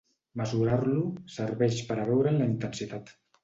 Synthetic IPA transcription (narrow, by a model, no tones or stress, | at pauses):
məzuɾarlusəɾβɛʃpəɾəβɛwɾənləint̪ənsit̪at̪